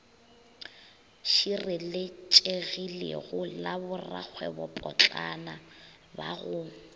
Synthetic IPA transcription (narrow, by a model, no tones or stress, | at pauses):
ʃirɪlɪt͡ʃʼeɣilḛɣʊlabʊra̰k͡xʰwɛbɔpʼɔt͡ɬʼana | baɣʊ